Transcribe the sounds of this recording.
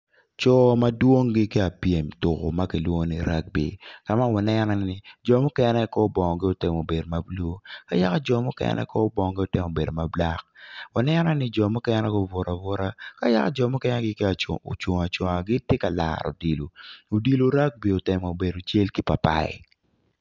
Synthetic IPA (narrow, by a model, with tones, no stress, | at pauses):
t͡ʃɔ˨ma˦dwo˦ŋɡɪ˦kɪ˦a˨pje˨mtʊ˨ko̰˨ma˦ki˨lwo˦o˦ni˦ɾa˦k̚bḭ˨ka˦ma˦wa˨nɛ˦nɔ˦nɪ˦d͡ʒɔ˨mɔ˦kɛ˦nɛ˦kɔ˦bɔ˨ŋɔ˨ɡɪ˦o˦tɪ˨mo˨be˨do˨ma˨blo˦ka˦ja˦ka˦d͡ʒɔ˨mɔ˦kɛ̰˦nʔɛ̰˦kɔ˦bɔ˨ŋɔ˨ɡɪ˦o˨tɪ˨mo˨be˨do˨ma˨bla̰˦k̚wa˨nɛ˦nɔ˦nɪ˦d͡ʒɔ˨mɔ˦kɛ˦nɛ˦ɡɔ˦vɔ˨ɾʔa˨vɔ˦ɾa˦ka˦ja̰˦ka˦d͡ʒɔ˨mɔ˦kɛ˦nɛ˦ɡɪ˦kɪ˦a˨o̰˨t͡ʃo˨ŋa˨t͡ʃwo˨ŋa˨ɡɪ˦te˦ka˨la̰˨ɾo̰˨di˨lo˨o˨di˨lo˨ɾa˦k̚bi˨o˨tɪ˨mɔ˨be˨do˨t͡ʃe˦lki˦pa˨pa̰˨ɪ̰˨